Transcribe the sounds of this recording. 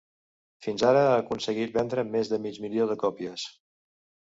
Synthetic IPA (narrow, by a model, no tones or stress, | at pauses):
finzaɾəːkunsəɣit̪̚bɛnd̪ɾəmezðəmid͡ʒmilioðəkɔpiəs